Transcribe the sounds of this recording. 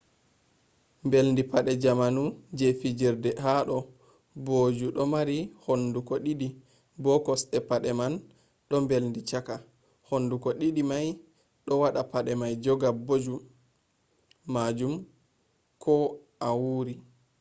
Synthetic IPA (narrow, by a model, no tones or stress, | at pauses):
mbelndipaɗɛd͡ʒamanud͡ʒefid͡ʒiɾdɛhaɗɔ | bod͡ʒuɗɔmaɾihondukɔɗiɗi | bɔkɔsɗɛpaɗɛman | ɗɔmbelndit͡ʃaka | hondukɔɗiɗimaj | ɗɔwaɗapaɗɛmajd͡ʒɔɡabod͡ʒu | mad͡ʒum | kʰɔ | awuːɾi